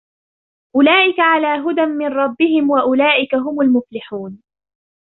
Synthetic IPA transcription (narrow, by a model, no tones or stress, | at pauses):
ʔʊlaːʔɪkaʕalaːɦʊd̪amːɪnɾˤɑbːɪɦɪmwaʔʊlaːʔɪkaɦʊmʊlmʊflɪħuːn